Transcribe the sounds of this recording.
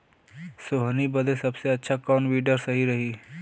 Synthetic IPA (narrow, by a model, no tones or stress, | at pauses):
soɦnibəd̪ʱesɐbseɐtːʃʰakɔːnʋiːɖəɾsɐɦiɾɐɦiː